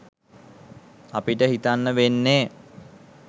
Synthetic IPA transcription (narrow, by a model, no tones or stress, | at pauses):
apiʈəɦit̪anːəʋenːeː